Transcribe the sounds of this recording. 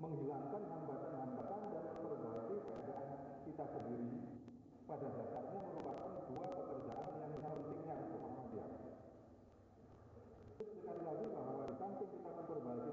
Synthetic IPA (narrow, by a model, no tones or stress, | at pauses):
məŋɦilaŋkanɦambat̪anɦambat̪andaləmpərbakikəa̰daʔan | kit̪asəndiɾi | padadakaʔ̚ɲaməɾupat̪̚kanɡuapəkərd͡ʒa̰ʔandəŋanmənaŋɾənt̪ɪk̚ɲasəkaŋadia̰ | sʊssəkalilaɡikamawalisaŋsɪŋkit̪aməmpərbaki